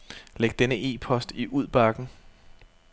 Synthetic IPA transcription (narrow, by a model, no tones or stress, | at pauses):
leɡ̥̚d̥enəʔe̝̰ːpʰɒ̽sd̥iʔuð̞̰ˠb̥ɑ̈ɡ̥n̩